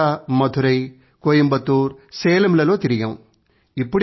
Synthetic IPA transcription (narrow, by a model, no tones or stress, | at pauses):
ɐmɐd̪ʱuɾɐj | koːjimbɐt̪uːɾsɛːlɐmlɐlo̞ːt̪iɾiɡɐw | ipːuɽ